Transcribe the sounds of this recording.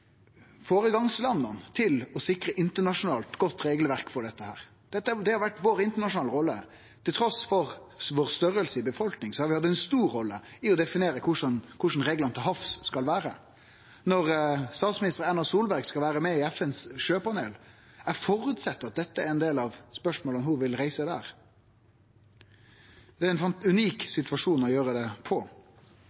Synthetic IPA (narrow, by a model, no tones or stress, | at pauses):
foːɾəɡɑŋslɑnːɑnt̪ʰɪlɔsɪkɾəʔɪnt̪əɳɑʂʊnɑːlt̪ɡɔt̪ːɾeːɡlʋæɾkfɔɖɛt̪ːəhæ̰ːɾ | d̪̥ɛt̪ːəd̪ɛhɑɾʋæʈːʋoːɾɪnt̪əɳɑʂʊnɑːləɾɔlːə̰ | t̪ʰɪlt̪ʰɾɔsfɔɾ | ʋoːɾst̪œɾəlsəɪbəfɔlknɪŋsɔhɑɾʋɪhɑd̪ːəɛnst̪uːɾːɔlːə̰ɪɔd̪ɛfɪneːɾəkʰʊʂənkʰʊʂn̩ɾeːɡlɑnt̪ʰɪlɦɑfsːkɑlʋæːɾə̰ | nɔʁst̪ɑːt̪smɪnɪst̪əɾɛnɑsuːlbæɾɡskɑlʋæːɾəmɛɪɛfɛnsʃøːpɑneːlæɾfɔɾʉt̪sɛt̪ːɑt̪̚d̪ɛt̪ːəæɾɛnd̪eːlɑʋspœʂmoːlənhʊʋɪlɾæɪsəd̪æːʁ | d̪ɛæɾɛnfɑnʉniːksɪt̪ʉʋɑʂuːnɔjøːɾəd̪ɛpʰɔ